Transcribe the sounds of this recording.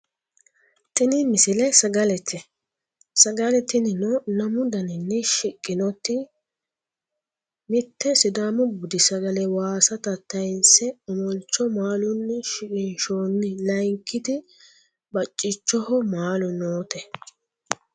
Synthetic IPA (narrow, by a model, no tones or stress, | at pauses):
t̪ɪnɪmɪsɪlɛsɐɡɐlɛt̪ʰːɪ | sɐɡɐlɛt̪ːɪnɪnɔnɐmʊd̪ɐnɪnːɛʃɪkʼːɪnɔt̪ːɪ | mɪt̪ːɛsɪd̪aːmɔbʊd̪ɪsɐɡɐlɛwaːsɐt̪ɐt̪ːɐjnsɛɔmɔnt͡ʃːɔmaːlʊnːɛʃɪkʼɪnʃoːnːɪlɐjŋkːɪd̪ɪ | bɐt͡ʃʼːɪt͡ʃːɔhɔmaːlʊnoːt̪ɛ